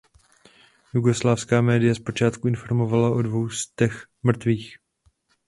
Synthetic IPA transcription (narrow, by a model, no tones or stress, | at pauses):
juɡo̞slaːfskaːmɛːdɪjɛspo̞t͡ʃaːt̪kuɪnfo̞ɾmo̞valaʔodvo̞wst̪ɛx | mr̩t̪viːx